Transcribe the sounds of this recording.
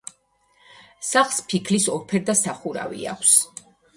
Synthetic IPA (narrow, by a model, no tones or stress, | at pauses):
saχlˠspʰikʰlisɔɾpʰɛɾd̪asaχuɾa̰vḭa̰kʷʰs